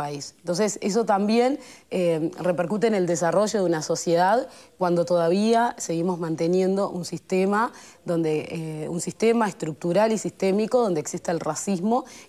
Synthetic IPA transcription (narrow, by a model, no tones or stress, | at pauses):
aisnt̪o̞ns̬eses̬o̞t̪ambje̞nere̞peɾkut̪̬ene̞ld̪es̬aro̞ʒo̞ðunaso̞sje̞ðaðkwand̪o̞t̪o̞ðaβ̞iase̞ɣimozmãnt̪e̞nje̞nd̪o̞ʔunsist̪emaðo̞nd̪eʔeunsist̪e̞maest̪ɾuk̚t̪uɾalisist̪e̞miko̞ðo̞nd̪eksist̪aelrasizmo̞